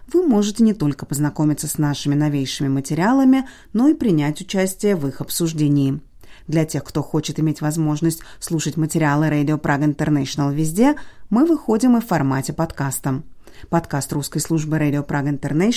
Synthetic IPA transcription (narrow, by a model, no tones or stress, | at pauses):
vɨmo̞ʐɨtʲɪnʲɪt̪o̞lʲkəpəznɐko̞mʲɪt̪səsnaʂɨmʲɪnɐvʲejʂɨmʲɪmətʲɪɾʲɪalˠəmʲɪ | no̞ipɾʲɪnʲætʲʊt͡ɕæsʲtʲɪjəvɨxɐpsʊʐdʲenʲɪjː | d̪lʲɐtʲe̞xkt̪o̞xo̞t͡ɕɪt̪ɨmʲetʲvɐzmo̞ʐnəsʲtʲslˠuʂətʲmətʲɪɾʲɪalˠɨɾadʲɪopɾʔaɡəɪnt̪ərnɛʂənəlˠvʲɪzʲdʲe̞mɨvɨxo̞dʲɪmɨffɐrmatʲɪpɐt̪kast̪əm | pɐt̪kast̪ruskəjslˠuʐbɨɾadʲɪopɾaɡəɪnt̪ərnɛ